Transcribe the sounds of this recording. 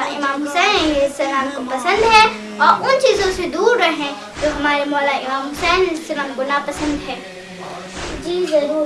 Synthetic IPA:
aɪmaːmɦʊsɛːneɪ̃ŋɡɪsɐnaːnkopɐsə̃nd̪ɦɛː | ɔːɾʊnt͡ʃiːzõsed̪uːɾːɐɦẽ | t̪oɦɐmaːɾemɔːlaɪmaːmɦʊsɛːnɪsɐnaːmɡʊnapɐsə̃nd̪ɦɛː | d͡ʒiːzɐɾuː

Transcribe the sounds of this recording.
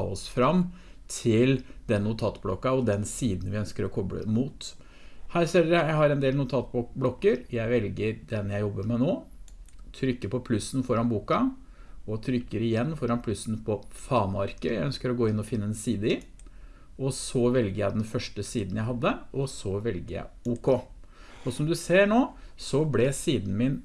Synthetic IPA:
ɔsfɾɑmː | t̪ʰɪld̪ɛnnʊt̪ʰɑːt̪blɔkːɑɔd̪ɛnsiːd̪n̩ʋɪœnskəɾɔkʰɔbɽə̰muːt̪ | hæːɾseləɾəjæɪhɑɾɛnd̪eːlnʊt̪ʰɑːt̪blɔkːəɾjæɪʋɛlɡəɾd̪ɛnjæɪjɔbːəɾmɛnoː | t̪ʰɾʏkːəpɔpʰlʉsːn̩fɔɾɑnbuːkɑ | ɔt̪ʰɾʏkːəɾɪjɛnːfɔɾɑnpʰlʉsn̩pʰɔfɑːnɑɾkəjæɪœnskəɾɔɡoːɪnːɔfɪnːəɛnsiːd̪əɪ | ɔsɔʋɛlɡəɾjæɪd̪ɛnfœʂʈəsiːd̪n̩jæɪɦɑd̪ːəʔɔsɔʋɛlɡəjæ̰ɪuːkʰo | ɔsɔmd̪ʉseːɳoːsɔblɛsiːd̪n̩mɪn

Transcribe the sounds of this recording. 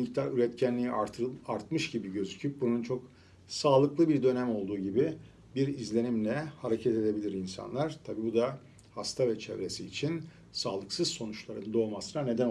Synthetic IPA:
ct̪ʰaɾyɾɛt̪cʰænlʲijiaɾt̪ʰɯaɾt̪mɯʃɟibiɟø̞zycʰyp̚bununt͡ʃʰo̞k | saːlˠɯklˠɯbiɾd̪ø̞næmo̞lˠd̪uːɟibi | biɾizlʲe̞nimlʲɛhaɾecʰɛt̪e̞d̪e̞bilʲiɾinsa̰nlˠaɾ̥t̪ʰabiːbud̪a | hast̪ʰavɛt͡ʃʰɛvɾe̞siːt͡ʃʰin | saːlˠɯksɯzso̞nut͡ʃlˠaɾɯnd̪o̞ːmasɯnane̞d̪æn

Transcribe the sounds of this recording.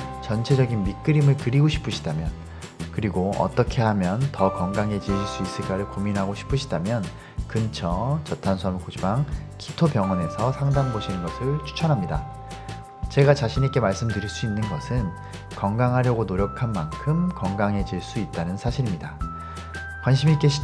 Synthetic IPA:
t͡ɕʌnt͡ɕʰe̞d͡ʑʌɡinmik͈ɯɾimɯɭkɯɾiɡoɕʰi̥p͈ʰuɕʰi̥damjʌn | kɯɾiɡoʌ̰t͈ʌkʰe̞ɦamjʌntʌkʌŋɡaŋɦe̞d͡ʑiiɭs͈uis͈ɯɭk͈aɾɯɭkominɦaɡoɕʰi̥pʰɯɕʰidamjʌn | kɯnt͡ɕʰʌt͡ɕʌtʰansʰʌmɭkod͡ʑibaŋki̥tʰopjʌŋʌne̞sʰʌsʰaŋdaŋboɕʰinɯnɡʌsʰɯɭt͡ɕʰu̥t͡ɕʰʌnɦamɲida | t͡ɕe̞ɡat͡ɕaɕʰinik͈e̞maɭs͈ɯmdɯɾiɭs͈uinːɯnɡʌsʰɯn | kʌŋɡaŋɦaɾjʌɡonoɾjʌkʰanmankʰɯmkʌŋɡaŋɦe̞d͡ʑiɭs͈uit̚t͈anɯnsʰaɕʰiɾimɲida | kwanɕ̬ʰimik͈eɕʰi̥

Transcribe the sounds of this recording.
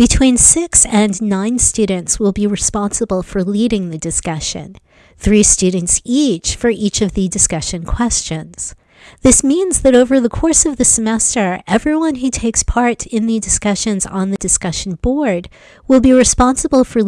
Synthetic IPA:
b̥ɨtʰw̥ĩnsɪksɨ̃nːãɪ̃nstʉdⁿn̩tswɪlˠbiɹɨspɑ̃nsəbl̩ˠfə˞liɾɪ̃ŋðɨdɨskʌʃɨ̰̃n | θɹistʉdⁿn̩tsit͡ʃfə˞ʔit͡ʃʌvðɨdɨskʌʃɨ̃nkʰw̥ɛst͡ʃɨ̃nz̥ | ðɪsmĩnzðɨɾoʊvə˞ðəkʰɔɹsʌvðɨsɨmɛstə˞ɛvɹiwʌ̃nɦʉtʰeɪkspʰɑɹɾɪ̃nðɨdɨskʌʃɨ̃nz̃n̩ðɨdɨskʌʃn̩bɔɹd̚ | wɪlˠbiɹɨspɑ̃nsəbl̩ˠfə˞

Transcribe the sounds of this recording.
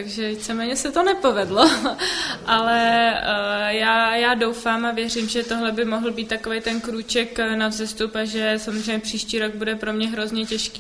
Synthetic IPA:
t̪aɡʒɛvit͡sɛmɛːɲɛsɛt̪onɛpo̞vɛdlo̞ | ʔalɛ | jaːjaːdowfaːmavjɛr̝imʒɛt̪o̞ɦlɛbɪmoɦl̩biːt̪ːakovejt̪ɛnkɾuːt͡ʃɛknavzɛst̪upaʒɛsamozrejɲːɛpr̝̥iːʃciːɾo̞ɡ̚budɛpɾo̞mɲɛɦɾo̞zɲɛcɛʃki̥ː

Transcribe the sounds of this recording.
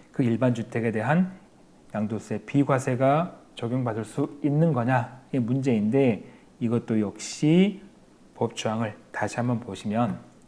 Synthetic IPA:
kɯiɭbant͡ɕutʰe̞ɡe̞de̞ɦan | jaŋdos͈ue̞piɡwasʰe̞ɡat͡ɕʌɡjoŋbadɯɭs͈uinːɯnɡʌɲaimund͡ʑe̞inde̞ | iɡʌt̚t͈ojʌk̚ɕ͈i | pʌp̚t͡ɕ͈ʰuaŋɯɭtaɕʰiɦambʌnpoɕʰimjʌn

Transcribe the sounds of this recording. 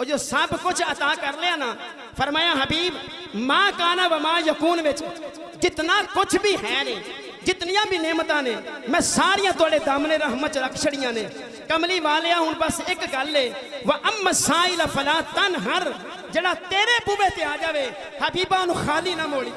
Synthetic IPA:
od͡ʒoːsəbkʊt͡ʃʰət̪aːkəɾleaːnãː | pʰəɾmaːjaːɦəbiːb | mãːkaːnãːʋəmãːjəkuːnʋɪt͡ʃ | d͡ʒɪt̪naːkʊt͡ʃʰbiːɦɛːneː | d͡ʒɪt̪nɪjãːbiːneːmət̪ãːnẽːmɛ̃ːsaːɾɪjãːt̪ʊaːɽeːd̪aːmneːɾəːɦmət͡ʃɾəkʰʃəɽɪjãːnẽː | kəmliːʋaːleːãːɦʊnbəsɪkɡəleːʋəʔəmːəsaːiːlaːpʰəlaːt̪ənɦəɾ | d͡ʒeːɽaːt̪eːɾeːpuːbeːt̪eːaːd͡ʒaːʋeː | həbiːbaːʊnũːxʰaːliːnãːmoːɽiː

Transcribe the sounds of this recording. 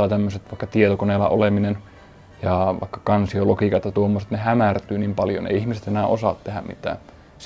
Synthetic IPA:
ɑːt̪æmːøset̪ʋɑikːɑt̪iet̪okoneːlːɑ̰ʔo̰leminen | jɑʋɑ̰ikːɑ̥kɑnsiolokikɑt̪jɑt̪uomːoset̪nehæmært̪yːnimpɑljo̰nḛiihmiset̪enæːʔosɑ̰ˑt̪t̪ehæmmḭt̪æ̰ː | s

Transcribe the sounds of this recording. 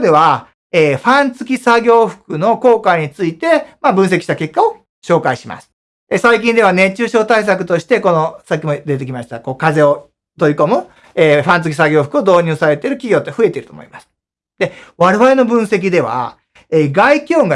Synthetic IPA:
d̪e̞βa | eːɸãnt͡sɨkʲisaɡʲo̞ːɸɯ̟̥kɯ̟no̞ko̞ːkaɲ̟it͡sɨit̪e̞mabɯ̟̃s̬ekʲiɕit̪ake̞kːao̞ | ɕo̞ːkaiɕima̰sɨ̥ | esaikʲĩnd̪e̞β̞ane̞t͡ɕɨːɕo̞ːt̪ais̬akɯ̟̥t̪o̞ɕi̥t̪e̞ko̞no̞sak̬ʲːimo̞d̪e̞t̪̬e̞kʲimaɕi̥t̪ako̞ːkaze̞o̞ | t̪o̞ɾʲiko̞mɯ̟ | eːɸãnt͡sɨ̥kʲi̥saɡʲo̞ːɸɯ̥kɯo̞d̪o̞ːɲ̟ɨːsaɾe̞t̪eɾɯ̟kʲiɡʲo̞ːt̪ːeɸɯ̟e̞t̪e̞iɾɯ̟t̪o̰mo̰imasɨ̥ | d̪̥e̞βaɾeβaɾe̞no̞bɯ̟̃ɰ̃se̞k̬ʲid̪e̞βa̰ | eːɡaikʲoːɡa

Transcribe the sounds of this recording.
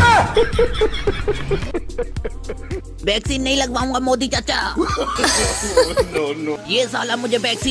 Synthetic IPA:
ʋɛːksiːnːɐɦĩlɐɡʋaːũŋɡamoːd̪it͡ʃɐtːʃʰaː | nonjeːsaːlamʊd͡ʒʱeʋɛːksiː

